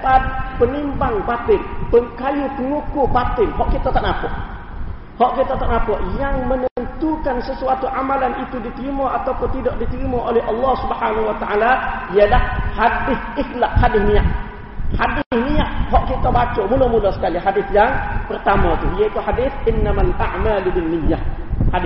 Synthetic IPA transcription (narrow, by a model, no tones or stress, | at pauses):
pat̪̚pənimbaŋbat̪ɪlpəŋkajupəŋukʊhbat̪ɪlɦɔʔkit̪at̪aʔnapɔʔ | hɔʔkit̪at̪aʔnapɔʔjaŋmənəmənt̪ukansəsuat̪uʔamalanit̪udit̪əɾimaʔat̪awpʊnt̪idɔʔdit̪əɾimaʔolɛɦʔɑlːɔhsubhanawat̪aʔalaialahhadɪθʔɪklak̚hadɪhmiaʔ | hadɪhmiaʔɦɔʔkit̪abat͡ʃɔmulomulɔsə̥kaliɦadɪθjaŋpərt̪amat̪uhijait̪uhadɪθɪnːamalʔaʕmalubɪnːɪjːahhadɪ